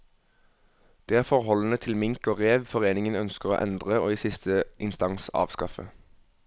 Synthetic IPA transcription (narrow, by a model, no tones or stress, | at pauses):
d̪̥eːæːʁfɔʁhɔlən̩ət̪ʰɪlmɪŋkoːʁeːʋfɔʁeːnɪŋənœnskəʁo̰ːʔɛ̰nd̪ʁəo̰ːiːsɪst̪ʰəʔɪnst̪ɑnsɑ̰ːʋskɑfə̰